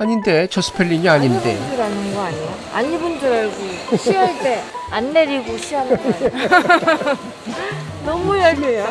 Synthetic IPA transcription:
aɲinde̞t͡ɕʌs͈ʰɯ̥pʰeɭːiŋiaɲindedɯɾanɯnɡʌaɲijo | a̰ɲibund͡ʑɯɾaɭɡoɕʰiʌɭt͈e̞anːe̞ɾiɡoɕʰiʌn | nʌmujaɾejo

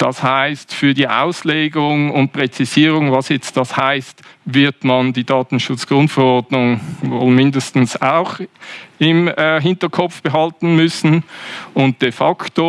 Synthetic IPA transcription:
d̥ɑ̰shaɪstfyːɐdiːʔa̰ʊsleːɡʊŋʊnt̚pʁ̥ɛt͡siziːʁʊŋvɑsjɛt͡st̚d̥ɑshaɪstvɪɐtmɑndiːdɑːtn̩ʃʊt͡sɡ̥ʁʊntfɛʁɔɐdnʊŋvoːlmɪndəstn̩saʊxɪmːɦɪntəɐkʰɔpfb̥əɦɑltn̩mʏsn̩ʊnt̚d̥efɑkto

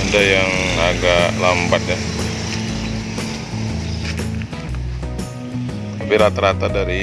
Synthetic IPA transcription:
adajaŋaɡaʔlambat̪ja | abɪɾat̪aɾat̪adaɾi

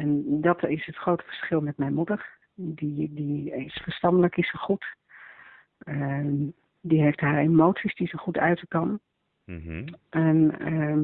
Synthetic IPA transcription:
ɛndɑtɪsɦətχrowtə̥v̥əɹsχɪlˠmɛtmɛjnmudəɹ | didiɪsfəɹstɑndələkɪsəχut | ə | diɦejftɦaːɹemowtsisdizəχutœɥtəkɑn | ʔɛnə

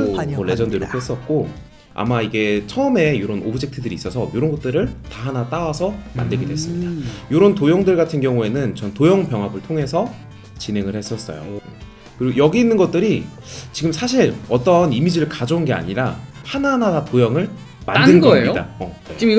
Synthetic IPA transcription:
ole̞d͡ʑʌndɯɾok͈ɥes͈ʌt̚k͈o | a̰maiɡe̞t͡ɕʰʌɯme̞joɾʌnʔobud͡ʑʰek̚tʰɯdɯɾiːs͈ʌsʰʌjoɾʌnɡʌt̚t͈ɯɾɯɭtaɦanat͈awasʰʌma̰ndɯɭɡedwe̞s͈ɯmɲid̥ajoɾʌntojʌŋdɯɭɡatʰɯnɡjʌŋue̞nɯnt͡ɕʌntojʌŋpjʌŋɦabɯɭtʰoŋe̞sʰʌ | t͡ɕine̞ŋɯɭhe̞s͈ʌs͈ʌ̰jo̰ | kɯɾiɡojʌɡiːnːɯnɡʌt̚t͈ɯɾi | t͡ɕiɡɯmsʰaɕ̬ʰiɾʌt͈ʌnimid͡ʑiɾɯɭkad͡ʑounɡe̞a̰ɲiɾahananaatojʌŋɯɭ | mandɯnɡʌda̰ʌei

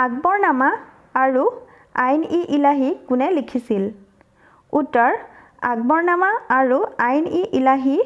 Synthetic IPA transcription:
aɡ̚bɔɹnamaː | ɹu | ajniʔilaɦikʊnɛlikʰisil | utɔɹ | a̰ɡ̚bɔɹnamaaɹuajniʔilaɦi

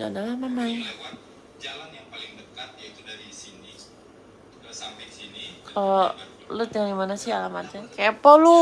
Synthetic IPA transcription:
d͡ʒa̰damamamaia | d͡ʒalanjaŋpalɪŋdəkat̪̚jat̪udaɾisini | sasinikʰalɔ | lʊt̪jaŋɡimanasiɦalamad͡ʒakaapɔlu

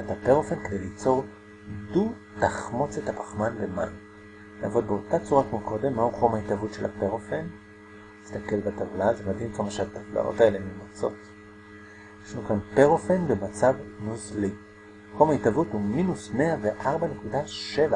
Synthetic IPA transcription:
atapeʁo̞fenked̪elit͡so̞ʁ | du | taχmo̞t͡sethapḁχmanbema̰jm | naːvo̞dbeo̞tat͡suʁakmoko̞de̞mːahuχo̞maitavutʃela̰peʁofen | ist̪ake̞lbatavlazemadɦimkamaʃeat̪afla̰ʔo̞̰tae̞le̞mimat͡so̞̰t | eʃnukanpeʁofenbemat͡savnuzli | χo̞maitavuthuminusme̞aveʔaʁbane̞kudaʃe̞va

